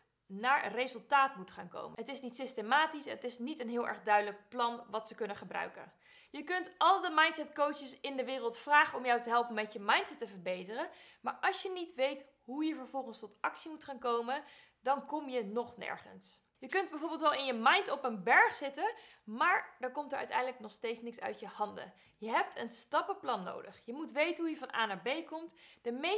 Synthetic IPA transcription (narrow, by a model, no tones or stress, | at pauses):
naːɹərezɵlˠtaːtmutχaːnko̰wmə̰ɦətɪsnitsɪstemaːtisətɪsnitənɦɪːlˠʔɛ̰ɹχdœɥdələk̚plɑnʋɑtsəkɵnəχəbrœ̰ɥkə̰n | jəkɵntɑlˠdəmɑjntsɛtkowt͡ʃəsɪndəʋɪːrəlˠtfraːχəɔmjɔwtəɦɛlˠpənmɛcəmɑjntsɛtːəvəɹbejtərənmaːɹʔɑlˠʃjənitʋejt | ɦujəvəɹvɔlˠχənstɔtɑksimutχaːnkowmən | dɑnkɔmjənɔχnɛ̰ɹχə̰ns | jəkɵnd̚bɛjvoːɹbɪlˠtʋɛlˠɪnjəmɑjntɔpənbɛɹχsɪtənmaːɹdəɹkɔmtəɹʔœ̰ɥtɛ̰jndələknɔχstejtsnɪksœ̰ɥtjəhɑndə̰ | jəɦɛp̚tʰənstɑpəplɑnːo̰wdə̰χjəmutʋejtənɦujəvɑnʔa̰ːnaɹbejkɔmtd̥əme